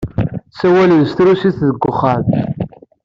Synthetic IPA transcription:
sæwælðəst̪ɾusiθðəɡʷːəχːɑð

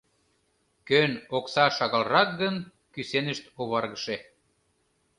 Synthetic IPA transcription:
kønoksɑʃɑɣɑlrɑk̚ɡən | kysenəʃt̪oβɑrɣəʃe

